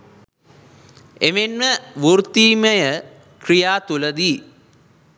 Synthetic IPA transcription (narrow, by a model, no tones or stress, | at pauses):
eʋenməʋurt̪iːməjə | krijaːt̪uləd̪iː